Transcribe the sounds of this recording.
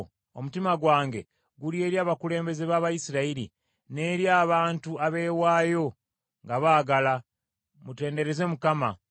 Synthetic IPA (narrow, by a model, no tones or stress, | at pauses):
omutimaɡwaːŋɡe̞ | ɡulje̞ːɾjaːβakule̞ːmbe̞ze̞βaːβajisiɾaiɾḭ | ne̞ːɾjaːβaːntuaβe̞ːwaːjo̞ | ŋɡaβaːɡala | mute̞ːnde̞ɾe̞ze̞mukama